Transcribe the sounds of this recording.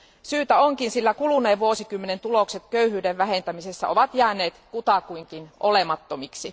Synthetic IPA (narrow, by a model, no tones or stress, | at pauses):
syːt̪æoŋkinsilːækuluneːʋʋuosikymːe̞ne̞nt̪ulo̞kset̪køyhyːdeʋʋæɦe̞nt̪æmise̞sːæ̰ʔo̞ʋɑt̪jæːneːt̪kut̪ɑkuiŋkinʔolemɑt̪ːomiksi